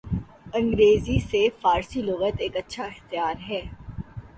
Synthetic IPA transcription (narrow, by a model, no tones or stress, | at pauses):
ɐ̃ŋɡɾeːzisefaːɾsilʊɣət̪eːkɐtːʃʰaɪxt̪ɪjaːɾɦɛː